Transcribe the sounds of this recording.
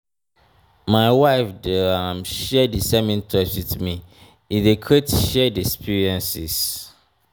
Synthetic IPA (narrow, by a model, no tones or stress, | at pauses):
maɪwaɪfdəãmʃɛdisɛmĩntʰɔt͡ʃwiθmi | idekʰetʃɛdiɛkspʰiɹiɛ̃nsis